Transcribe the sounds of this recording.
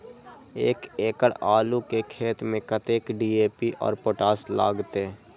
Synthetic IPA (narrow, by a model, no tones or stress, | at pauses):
eːkeːkəɽaːlukekʰeːt̪mẽkət̪eːkɖiːeːpiʔɔ̰ːɾpoʈaːsla̰ːɡt̪e